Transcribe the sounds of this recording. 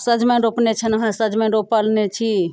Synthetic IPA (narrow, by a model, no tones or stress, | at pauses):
səd͡ʒmeɾopnet͡ʃʰənəɦãsəd͡ʒmẽɾopəlnet͡ʃʰi